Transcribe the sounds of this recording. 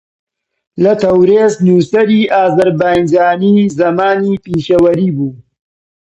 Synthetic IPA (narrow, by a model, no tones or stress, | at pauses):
lɐt̪ʰɐwɾeːsnuːsɐɾiːʔaːzɐɾbaːjnd͡ʒaːniːzɐmaːniːpiːʃɐwɐɾiːbuː